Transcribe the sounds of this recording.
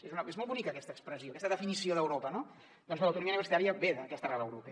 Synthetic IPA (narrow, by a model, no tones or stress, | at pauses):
ezunəezmɔlˠβunikəkɛst̪əːkspɾəzioːkɛst̪əðəfinisioðəwɾopəno | d̪̥ɔnzələwt̪uɾumiəuniβəɾsit̪aɾiəβeðəkɛst̪ərɛβə̰wɾupe